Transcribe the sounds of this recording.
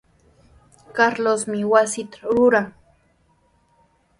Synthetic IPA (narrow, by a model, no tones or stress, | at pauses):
kaɾlosmɪwasɪt̪ḁɾʊɾaŋ